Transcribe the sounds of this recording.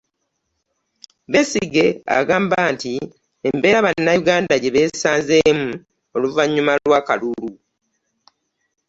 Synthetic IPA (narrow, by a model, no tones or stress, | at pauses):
βe̞siɡe̞a̰ɡaːmbaːnti | embe̞ːɾaβanːajuɡaːndaɟe̞βe̞ːsaːnzemu | o̞luvaɲːumalwaːka̰luɾu